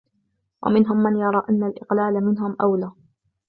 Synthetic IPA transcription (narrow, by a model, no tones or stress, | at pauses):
wʔa̰mɪnɦʊmːanjɑɾˤɑːʔanːalʔɪqlaːlamɪnɦʊmʔawlaː